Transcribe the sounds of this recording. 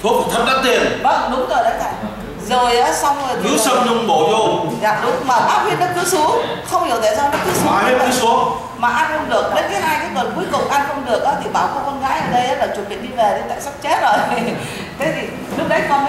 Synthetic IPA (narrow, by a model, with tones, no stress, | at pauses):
t̪ʰu˦˥ək̚t̪ʰə˦˥t̚ɗə˦˥t̪i˧ənɓə˦˥ɗʊ˨˦ŋ͡mzo˨˩jɗə˨˦jt̪ʰa̰ː˧˨j | zo˨˩jʔaː˨˦sa˧wŋ͡m̪kɨ̰˧˥sə˧mɲʊ˧ŋ͡mɓo˧˩zo˧˩zaː˨˩ɗʊ˨˦ŋ͡mmaː˨˩ɓaː˦˥p̚vi˧ənɗə˦˥kɨ̰˧˥su˨˦əŋxə˧wŋ͡mhi˧˩ət̪a̰ː˧˨saː˧wnə˦˥t̚kɨ̰˨˦su˧˦a˨˧˩ne˨˦t̪ʰɨ˨˦su˨˦əŋ | maː˨˩ʔa˧nxə˧wŋ͡mɗɨ˨˩ək̚ɗe˧˨˦nkaː˨˦jɦaː˧jkaː˨˦jŋə˨˩nku˨˦əjkʊ̰˧˨˩wŋ͡mʔa˧nxə˧wŋ͡mɗɨ˨˩ək̚ʔaː˨˦t̪ʰi˨˩ɓaː˧˩wxɔ˧kɔ˧nɣaː˧˦˥jʔəː˨˩ɗə˧jʔaː˨˦laː˨˩t͡ɕu˨˩ɓḭ˨˧˨ən̚ɗi˧ve˨˩ɗe˧nt̪a̰ː˧˨jsa˦˥k̚t͡ɕe˦˥t̚zo˨˩j | t̪ʰe˨˦t̪ʰi˨˩ | lʊ˦˥ək̚ɗa˨˦jkɔ˧n